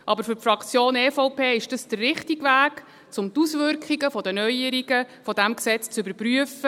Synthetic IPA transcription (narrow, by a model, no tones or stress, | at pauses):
ʔɑbəɾfʏrfrɑkt͡sjoːnɛːfɔʊpʰeːɪʃd̥əsd̥ərrɪχtiɡʋæːk | t͡sʊmt̪usʋʏɾkχiɡəfɔdənœjəɾiɡəfɔdæmksɛt͡st͡sʏbəɾpryəfə